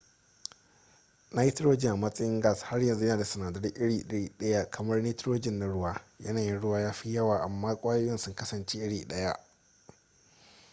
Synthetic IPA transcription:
na˦ji˦tɪ˦ɾoː˦d͡ʒɪ˨ŋʔa˨mɐ˦sʼɐ˦jɪ˦ŋɡaː˦˨sha˦rjɐ˨nzu˦jɐ˦naː˨da˨sɐ˨naː˨dɐ˦rʔɪ˦ɽiː˨ɗɐ˦ɽiː˦ɗɐ˦ja˦kʰɐ˨mɐ˦rni˦tɾoː˦d͡ʒɪ˦nːa˨ɽʊ˦waː˦jɐ˦naː˨jɪ˦nɽʊ˦waː˦jaː˦ɸi˦jɐ˦waː˨ʔa˨mːaː˦kʷʼaː˦jo˦jɐ˦nsʊ˦ŋkɐ˦sɐ˨nt͡ʃe˦ʔɪ˦ɽiː˨ɗɐ˦ja˦ʔ

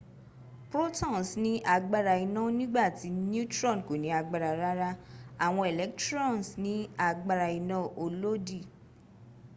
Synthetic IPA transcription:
pɾo˦tã˦˨n˨snĩ˦ʔa˧ɡ͡ba˧ɾa˧i˧nã˦nĩ˦ɡ͡ba˦˨ti˨˦n˦u˦tɾɔ̃˦˨n˨ko˨nĩ˨˦a˧ɡ͡ba˧ɾa˧ɾa˦ɾa˦a˦˨w̃ɔ̃˧e˨lɛ˨˦ktɾɔ̃˦˨n˨snĩ˨˦a˧ɡ͡ba˧ɾa˧i˧nã˦˨o˧lo˦di˦˨

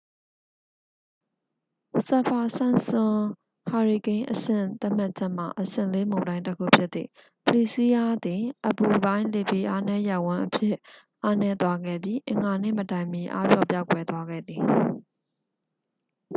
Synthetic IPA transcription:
sa˨pʰa˨sã˦˨nsʊ̃˨ | ha˨ɹi˨kẽ˦ɪ̃ʔəsɪ̰̃˦˨t̪a˦ʔm̥a˦t̚t͡ɕʰɛ˦ʔm̥a̰˨ʔəsɪ̰̃˦˨le˦mõ˨dã˦ɪ̃təkʰṵ˦˨pʰjɪ˦t̪ːḭ˦˨ | pəli˦˨si˦a˦d̪ɪ̃˨ʔəbu˨bã˦ɪ̃le˦˨pe˦˨ʔa˦nɛ˦ja˦˨wʊ̃˦ʔəpʰjɪ˦ | ʔa˦nɛ˦t̪wa˦ɡɛ̰˦˨bji˦ʔɪ̰̃˨ŋɡa˨nḛ˦˨mə˨tã˨ɪ̃mi˨ʔa̰˦bjɔ̰˦˨pja˦ʊkwɛ˨t̪wa˦ɡɛ̰˦˨d̪ði˨

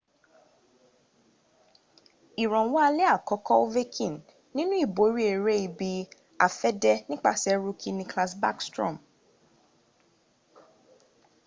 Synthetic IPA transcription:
i˨ɾɔ̃˨wɔ˦a˧lɛ˦a˦˨kɔ˨˦kɔ˦o˦ve˦kʰĩ˦˨n | nĩ˦nũ˦i˦˨bo˨˦ɾi˦e˨ɾe˦i˧˨bi˧ | a̰˨fɛ˦dɛ˦nĩ˦k͡pa̰˦˨sɛ˨˦ɾu˦kʰi˦nĩ˧kla˧sba̰˦kstɾɔ̰̃˦˨m

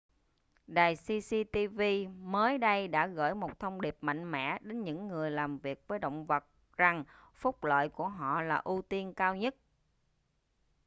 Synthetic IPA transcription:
ɗaː˨˩jsi˧si˧t̪i˧vi˧məː˨˦jɗə˧jɗa̰ː˧˥ɣə̰ː˧˥jmo˨˩t̚t̪ʰə˧wŋ͡mɗi˨˩əp̚ma̰˧˨jŋ̟mɛ̰˧˥ɗe˨˦nɲɨ̰˧˥ŋːɨ˨˩əjlaː˨˩mvi˨˩ək̚vəː˨˦jɗə̰˧˨wŋ͡mvə˨˩t̚ | za˨˩ŋ | fʊ˦˥k͡p̚lə̰ː˧˨jku˧˩əɦɔ̰˧˨laː˨˩ʔu˧t̪i˧ənkaː˧wɲə˦˥t̚

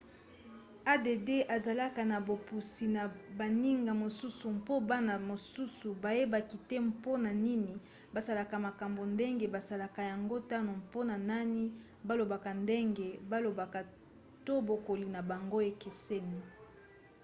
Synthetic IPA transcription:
a˦de˨de˦ʔa˨za˨la˦ka˨na˨bo˨pu˨si˨na˨ba˨ni˦ŋɡa˨mo˨su˦su˨mpo˦ba˦na˨mo˨su˦su˨ba˨je˦ba˨ki˨te˦mpo˦na˨ni˦ni˨ | ba˨za˨la˨ka˨ma˨ka˨mbo˨nde˦ŋɡe˨ba˨za˨la˨ka˨ja˨ŋɡo˦ta˦no˨mpo˦na˨na˦ni˦ | ba˦lo˨ba˨ka˨nde˦ŋɡe˨ba˦lo˨ba˨ka˨ | to˦bo˨ko˨li˨na˨ba˨ŋɡo˦e˨ke˨se˦ni˨

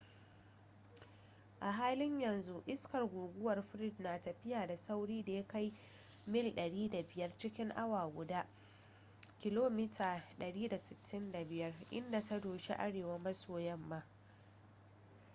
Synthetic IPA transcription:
ʔa˨ɦaː˦lɪ˦ɲjɐ˨nzu˦ʔɪ˦skɐ˨rɡʷuː˨ɡʷʊ˦wɐ˨rɸɪ˦ɾɪ˦dnaː˨tɐ˨ɸɪ˦jaː˨da˨sa˦wɽiː˦da˨ja˦ka˦j | mɪ˦lɗɐ˨ɽiː˦da˨bɪ˨jɐ˦rt͡ʃɪ˦kʲɪ˦ŋʔa˦waː˨ɡʷʊ˨daː˦ | kʲɪ˦loː˦mɪ˦tʰaː˨ɗɐ˨ɽiː˦da˨sɪ˨tʰːɪ˦nda˨bɪ˨jɐ˦rʔɪ̰˦nda˨ta˦doː˨ʃḭ˦ʔa̰˦ɽeː˨wa˦mɐ˦soː˨jɛ˦mːaː˦

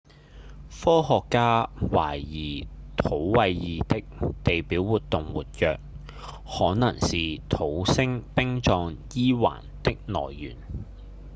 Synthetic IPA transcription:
fɔː˥ɦɔː˨˧kːaː˥wa̰ː˨˩jjiː˨˩ | t̪ʰo˨˥wwɐ˧jjiː˨t̪ɪ˥k̚t̪e˨jpiː˨˥wwuː˨t̪ʊ˨ŋwṵː˨t̚jœː˨k̚ | hɔː˨˥nɐ˨˩ŋsiː˨t̪ʰo˨˥wsɪ˥ŋpɪ˥ŋt͡ʃɔː˧ŋjiː˥wa̰ː˨˩nt̪ɪ˥k̚nɔ̰ː˨˩jːyː˨˩n

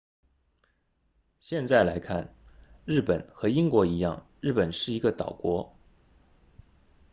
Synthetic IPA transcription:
ɕjɛ˥˧nt͡sa˥˩ɪla˧˥ɪkʰa̰˥˩nɻ̩˥˩pə˨˩nxɤ˧˥i˥ŋkwɔ˧˥i˧˥jɑ̰˥˩ŋɻɻ̩˥˩pə˨˩nʂɻ̩˥˩i˧˥ɡə˧t̪ɑ˨˩ʊkwɔ˧˥

